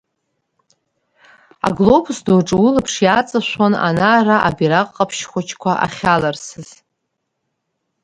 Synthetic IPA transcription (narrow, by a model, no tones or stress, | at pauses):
a̰ɡlobʰusdoʈ͡ʂʼɨwʊlɨpʰʂjat͡sʼaʃʷona̰naːraʔa̰biɾaqʼːapʰʃχʷat͡ʃʰkʷʰaʔa̰χʲalarsɨz̥